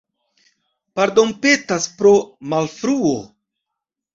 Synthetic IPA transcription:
paɾdo̞npe̞taspɾo̞malfɾuo

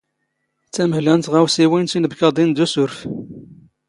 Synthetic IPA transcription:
t͡sːæməhlænt̪ʁæwsiwint̪inəbkɑd̪ˤind̪usʊɾf

